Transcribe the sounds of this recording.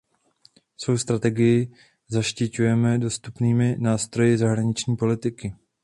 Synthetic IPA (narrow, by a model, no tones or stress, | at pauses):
so̞wst̪ɾat̪ɛɡɪjɪ | zaʃcɪcujɛmɛdo̞st̪upniːmɪnaːst̪ɾo̞jɪzaɦɾaɲɪt͡ʃɲiːpo̞lɪt̪ɪkɪ